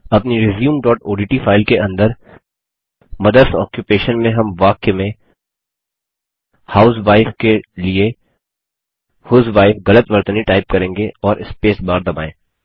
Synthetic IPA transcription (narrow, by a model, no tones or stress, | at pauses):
ɐpniɾɪzjũːmɖɔːʈoːɖiːʈifʰaːɪlkeʔɐ̃nd̪əɾ | mɐd̪əɾsɔ̰ːkjupeːʃənmẽɦɐmʋaːkemẽ | haːʊsʋaːɪfkelie | hʊzʋaːɪfɣɐlət̪ʋɐɾt̪əniʈaːɪp̚kɐɾẽːŋɡeɔːɾʔɪspeːsbaːɾd̪ɐba̰ːḛ̃ː